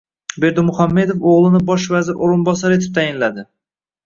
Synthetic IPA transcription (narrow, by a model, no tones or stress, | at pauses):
be̞ɾd̪ʊmʊhamːe̞d̪ofoʁlˠɪnɪbɒʃvazɪɾʔoɾɪnbɒsaɾet̪ʰɪp̚t̪ʰajɪnlad̪ɪ